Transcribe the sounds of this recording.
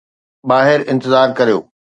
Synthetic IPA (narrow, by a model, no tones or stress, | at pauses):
ɓaːɦɪɾɪ̃nt̪ɪzaːɾkɐɾijo̰ː